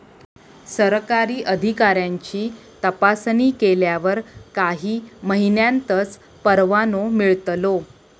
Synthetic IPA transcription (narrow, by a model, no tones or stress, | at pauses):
səɾkaɾiːʔəd̪ʱikaɾjaɲt͡ɕiː | t̪əpasniːkeljaʋəɾkaɦiːməɦinjãnt̪ət͡s | pəɾʋanomiɭt̪lo